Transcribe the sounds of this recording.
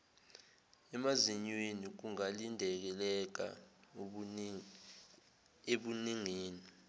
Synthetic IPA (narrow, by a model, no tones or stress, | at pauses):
ɛmaziɲwenik̬uŋalindʱɛk̬ɛlɛk̬a̰ | eɓuniŋeːni